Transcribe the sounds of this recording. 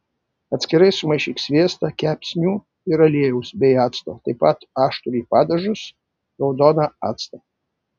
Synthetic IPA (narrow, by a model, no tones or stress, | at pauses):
ɐt̪ʲsʲkʲɪɾɐjsʊmɐjʃʲiksʲʋʲeɛst̪ɐkʲæpʲsʲnʲuː | iɾɐlʲeɛjɛʊsbʲɛjaːt̪st̪ot̪ɐɪpɐt̪aːʃt̪ʊɾʲiːpɑːd̪ɐʒʊs | ɾɐwd̪ɔnɐa̰ːt̪st̪ɐ